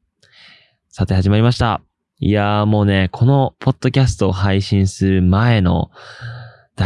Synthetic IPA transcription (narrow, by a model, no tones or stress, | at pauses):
sat̪e̞haʑimaɾʲimaɕi̥t̪a̰ | ḭamo̞ːne̞kʰo̞no̞pʰo̞t̪ːo̞kʲasɨ̥t̪o̞ːɦaiɕĩɰ̃sɨɾɯ̟mae̞no̞̰ | d̪̥a